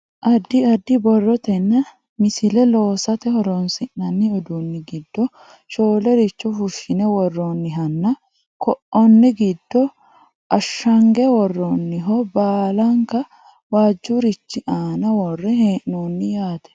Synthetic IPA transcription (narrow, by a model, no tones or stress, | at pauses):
ʔɐd̪ːɪɐd̪ːɪbɔrːɔt̪ɛnːɐ | mɪsɪlɛlo̞ːsɐt̪ɛhɔɾoːnsɪnːɐnːɪɔd̪unːɪɡɪd̪ːɔ | ʃoːlɛɾɪt͡ʃːɔfʊʃɪnɛwɔrːoːnːɪɦɐnːɐ | kɔʔɔnːɪɡɪd̪ːɔ | ʔɐʃːɐŋɡɛwɔrːoːnːɪɦɔbaːlaŋkɐ | waːd͡ʒːuɾɪt͡ʃːɪʔaːnɐwɔrːɛheːʔːoːnːɪjaːt̪ɛ̥